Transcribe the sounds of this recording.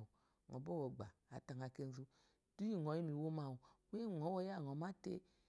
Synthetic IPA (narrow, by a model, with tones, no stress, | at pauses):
ŋɔ̰˨bɔ˦wɔ˨ɡ͡ba˨a˨ta˨ŋa˨ke˧n˦zu˧ | d̥u˦ji˦ŋɔ˨˦ji˦m˨i˨wo˦ma˨wu˨we˦˨ŋɔ˨˦wɔ˦ja˦˨ŋ˨ɔ˨ma˦tḛ˦